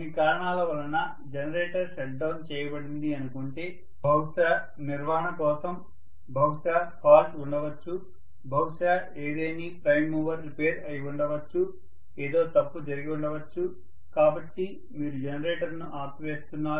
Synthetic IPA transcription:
nikaːɾɐɳaːlɐʋɐlɐnɐ | d͡ʒɐnɐɾeːʈɐɾʃeʈ̚ɖɐwnt͡ʃɛːjɐbɐɽind̪iɐnukoɳʈe̞ː | bʱɐwʂa | niɾʋaːɦɐɳɐkɔːsɐm | bʱɐwʂaːpʰaːlsuɳɖɐʋɐt͡ʃːu | bʱɐwʂaː | eːd̪eːnipɾɐjmːuːʋɐɾlpeːɾɐjuɳɖɐʋɐt͡ʃːu | eːd̪o̞ːt̪ɐpːud͡ʒɐɾiɡiuɳɖɐʋɐt͡ʃːu | kaːbɐʈːi | miːɾud͡ʒenɐɾeːʈɐɾnuʔaːt̪ʋeːst̪unːaːɾu

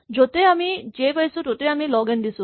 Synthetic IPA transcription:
d͡ʒot̪eamid͡ʒekajsutot̪eamilɔɡend̪isu

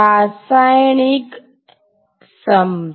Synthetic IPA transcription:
aːsajnik | sɐm

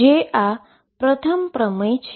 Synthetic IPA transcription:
ea | pɾət̪ʰəmpɾəməjt͡ʃʰ

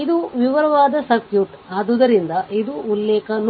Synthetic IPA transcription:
id̪uʋiʋɐɾɐʋaːd̪ɐsɐkjuʈ | aːd̪ud̪ɐɾind̪ɐʔid̪uːlːɛːkɐn

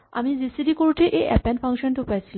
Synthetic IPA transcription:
a̰mizisiɖikoɾuʈʰeʔeʔɛ̰pɛnfʰaŋkʃonʈupat͡ɕʰil

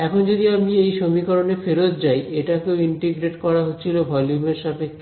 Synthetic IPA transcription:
ɛkʰond͡ʑod̪iamiejʃomikɔɾonefeɾot̪d͡ʑajʔeʈakeoiɳʈiɡɾeʈkɔɾaɦotːt͡ɕʰilobʱɔljumeɾʃapekːe

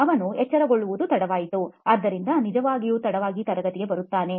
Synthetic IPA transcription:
ɐʋɐnuɛt͡ʃːɐɾɐɡo̞ɭːuʋud̪ut̪ɐɽɐʋaːjit̪uaːd̪ːɐɾind̪ɐnid͡ʒɐʋaːɡijuːt̪ɐɽɐʋaːɡit̪ɐɾɐɡɐt̪iɡe̞bɐɾut̪ːaːne̞

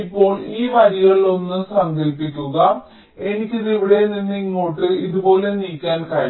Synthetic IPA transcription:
ipːo̞ːɭiːmɐɾiɣɐɭio̞nːɨsɐŋɡɐlpːikʲːuɐ | e̞nikʲːiðiʋiɽeninːiŋːoːʈːɨiðubo̞ːle̞niːkʲːaːnkɐɾ

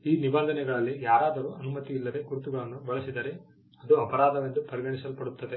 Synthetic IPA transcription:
iːnibɐnd̪ɐnɛɡɐɭɐlːijaːɾaːd̪ɐɾuːʔɐnumɐt̪iːlːɐd̪e̞ɡuɾut̪uɡɐɭɐnːubɐɭɐsid̪ɐɾe̞ | ɐd̪uɐpɐɾaːd̪ɐʋend̪upɐɾiɡɐɳisɐlpɐɽut̪ːɐd̪e̞

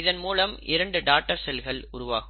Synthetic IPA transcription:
ɪðɐnmuːlɐmɪɾɐɳɖɯɖaːk̚ʈːɐɾsɛlɣɐɭʊɾʊʋa̰ːɣɯ

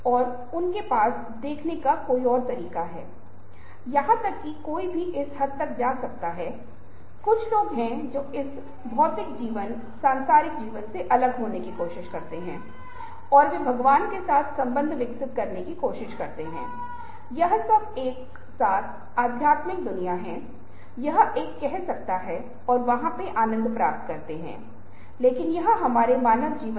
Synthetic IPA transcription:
ɔːɾ | ʊnkepaːs | d̪eːkʰnekakoːiɔːɾt̪ɐɾiːkaɦɛ̰ː | jɐɦãt̪ɐkːikoːibʱiʔɪshɐd̪̚t̪ɐk̚d͡ʒaːsɐk̚t̪aɦɛː | kʊt͡ʃʰloːɡɦɛ̃d͡ʒoːɪs | bʱɔːt̪ɪk̚d͡ʒiːʋən | sãːnsaːɾɪkd͡ʒiːʋənseʔɐləɡɦoːnekikoːʃɪʃkɐɾt̪eɦɛ̰̃ː | ɔːɾʋebʱɐɡʋaːnkesaːt̪ʰsɐ̃mbə̃nd̪ʱʋɪksɪt̪kɐɾnekikoːʃɪʃkɐɾt̪eɦɛ̰̃ː | jɐɦsɐb̚eːk | saːt̪ʰ | aːd̪ʱjaːt̪mɪk̚d̪ʊnijaɦɛ̃ | jɐɦeːkːɛɦsɐk̚t̪aɦɛ | ɔːɾʋɐɦãpeʔaːnə̃nd̪ʱpɾa̰ːp̚t̪kɐɾt̪eɦɛ̰̃ː | leːkɪnjɐɦɦɐmaːɾemaːnəʋd͡ʒiːʋə

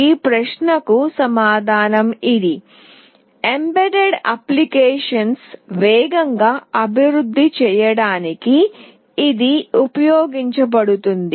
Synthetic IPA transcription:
iːpɾɐʂnɐkusɐmaːd̪ʱaːnɐmidi | embeɖeɖɐ̰plikeːʂɐnsʋɛːɡɐŋɡaːɐbʱiʋɾud̪ʱːit͡ʃɛːjɐɽaːnikiː | d̪iupɐjoːɡiɲt͡ʃɐbɐɽut̪und̪i

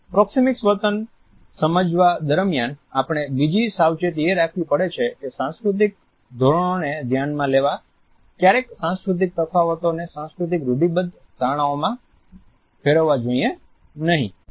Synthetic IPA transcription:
pɾɔksimɪksʋət̪ən | səməd͡ʒʋad̪əɾmjanapɽ̃ebid͡ʒisaʋt͡ʃet̪̬ieɾakʰʋĩpəɽet͡ʃʰekesãnskɾut̪̬ik̚ | d̪ʱoɾəɽ̃oned̪ʱjanmãleʋa | kjaɾeksãnskɾut̪̬ik̚t̪əfaʋət̪onesãnskɾut̪̬ikɾuɖibəd̪ | d̪ʱaɽ̃ãomã | fʰeɾəʋːad͡ʒoie | nəɦḭ̃

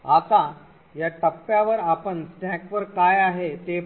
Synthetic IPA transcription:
at̪a | jaʈəpːjaʋəɾapəɳsʈʰãkʋəɾkajaɦet̪e

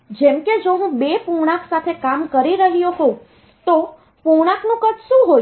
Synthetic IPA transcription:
d͡ʒɛmked͡ʒoɦũbepuɳ̃aksat̪ʰekamkəɾiɾəɦijoɦo | t̪o | puɽaknũkət̪ʃũɦo

